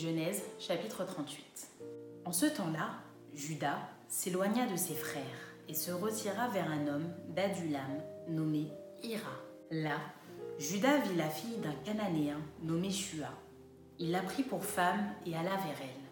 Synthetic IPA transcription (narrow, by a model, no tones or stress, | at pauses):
ʒənɛzʃapit̪χət̪χɑ̃t̪ɥit̪ɑ̃sət̪ɑ̃la | ʒyd̪a | selwaɲad̪əsefχɛʁ | esəʁət̪iʁavɛʁɛ̃nɔmd̪ad̪ylamnɔme | iʁa | la | ʒyd̪avilafijd̪ɛ̃kananeɛ̃nɔmeʃya | ilːapχipuʁfamealavɛʁɛl